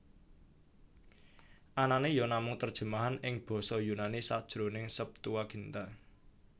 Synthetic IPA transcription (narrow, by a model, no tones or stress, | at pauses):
ʔananejɔnamʊŋt̪ərd̥ʒ̥ə̤maɦanɪŋb̥ɔ̤sɔjunanisad̥ʒ̥ɾonɪŋsəp̚t̪uwaɡ̥i̤nt̪a